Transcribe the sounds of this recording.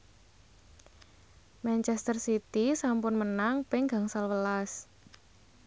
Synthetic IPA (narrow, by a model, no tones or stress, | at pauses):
mɛnt͡ʃɛst̪ərsit̪isampʊnmənaŋpɪŋɡa̤ŋsalwəlas